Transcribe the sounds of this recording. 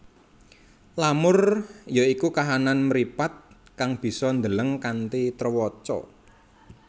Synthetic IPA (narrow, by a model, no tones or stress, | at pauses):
lamʊrjaikukaɦananmɾipat̪̚ | kaŋb̥i̤sɔnd̪ələŋkant̪it̪rwɔt͡ʃɔ̰